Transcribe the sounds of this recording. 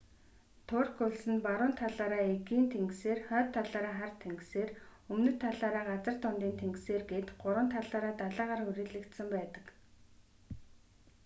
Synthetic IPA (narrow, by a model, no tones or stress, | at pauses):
t̪ʰʊrkʊɮsɘ̆npaɾʊːnt̪ʰaɮaːɾaːeɣiːnt̪ʰeŋɡseːrχœːt̪ʰːaɮaːɾaːχart̪ʰeŋɡseːrɵmnɘ̆t̪ʰːaɮaːɾaːɢat͡sə̆r̥t̪ʰʊnt̪iːnt̪ʰeŋɡseːrɡeːt̪ɢʊɾwə̆nt̪ʰaɮaːɾaːt̪aɮaːʁaːrxɵɾiːɮɘ̆kt̪sə̆mpæːt̪ə̥̆k